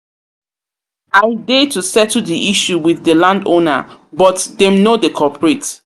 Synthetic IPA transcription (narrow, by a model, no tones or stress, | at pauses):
adetusɛtdiʔiʃuwiðːəlãndona̰bɔtdɛ̃mnodekʰɔpɹet